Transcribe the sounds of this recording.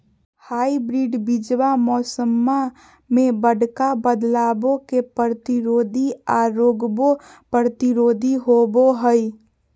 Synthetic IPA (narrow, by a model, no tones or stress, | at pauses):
haːibɾiɖbid͡ʒwamɔːsəmːa | mẽbəɽkabəd̪laːbokepəɾət̪iɾoːd̪ʱiaɾoːɡbo | pəɾət̪iɾoːd̪ʱiɦoboɦəj